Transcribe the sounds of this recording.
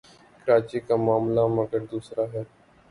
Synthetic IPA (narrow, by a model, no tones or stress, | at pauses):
kəɾaːt͡ʃikamaːmlamɐɡəɾd̪uːsɾaːɦɛː